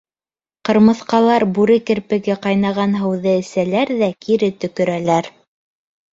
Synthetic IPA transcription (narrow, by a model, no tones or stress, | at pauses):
qɤ̆ɾmɤ̆θqɑlˠɑɾbʉɾɘkɘ̆ɾpɘ̆ɡɘqɑjnɑʁɑnɦɤ̆wðɤɘ̆sælæɾðækiɾɘt̪ɵ̆kɵ̆ɾælæɾ